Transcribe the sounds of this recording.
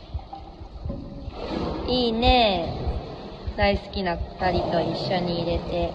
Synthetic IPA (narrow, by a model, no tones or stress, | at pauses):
iːne̞ | d̪aisɨ̥kʲinat̪aɾʲit̪o̞iɕːo̞ɲ̟iːɾe̞t̪e̞